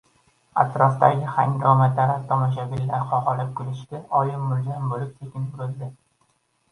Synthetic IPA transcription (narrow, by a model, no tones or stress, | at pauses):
a̰t̪ʰɾɒst̪aɡʲɪha̰ŋdʲɒmat̪ʰaɾap̚t̪ʰɒmɒʃ̬aɡʲɪlːaɾχɒʁɒlɪp̚kʰʊlɪʃt̪ɪɒjɪmʊlzanbolɪp̚t̪ʰekʲʰɪnʊɾɵzd̪ɪ